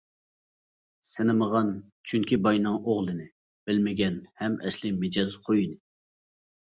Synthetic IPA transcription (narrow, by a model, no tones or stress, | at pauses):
sɪnɨməʁɑn | t͡ʃʰyŋkʲibɑjnɨŋoʁlˠɨnɪ | b̥ɪlmɪɡʲɛnhɛmɛslɪmɪd͡ʒɑzqʰojinɪ